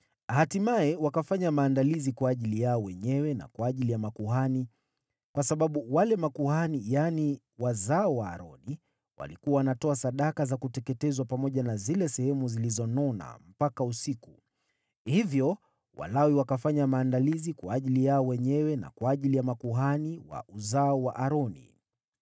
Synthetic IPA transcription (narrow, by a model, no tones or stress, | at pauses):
ahatimaɛwakafaɲamaːndalizikwaːʄilijaɔwɛɲɛwɛna̰kwaːʄilijamakuɦani | kwasaɓaɓuwalɛmakuhanijani | wazaɔwa̰ːɾɔni | wa̰likuwawanatɔasaɗakazakutɛkɛtɛzwapamɔʄanazilɛsɛhɛmuzilizɔnɔna̰m̩pakausiku | hivjɔ | wʔa̰lawiwakafaɲamaːndalizikwaːʄilijaɔwɛɲɛwɛna̰kwaːʄilijamakuɦaniwa̰ʔuzaɔwaʔaɾɔnḭ